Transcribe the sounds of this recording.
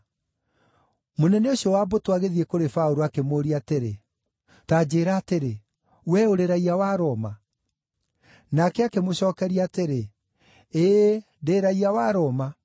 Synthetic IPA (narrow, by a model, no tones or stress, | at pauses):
monɛneoɕiɔwabotwaɣeðiekoɾefaoɾoakemoːɾiateɾe | taːd͡ʑeːɾaːteɾe | wɛoɾeɾaiawaɾɔma | nakɛakemoɕɔːkɛɾiaːteɾe | eː | deɾaiawaɾɔma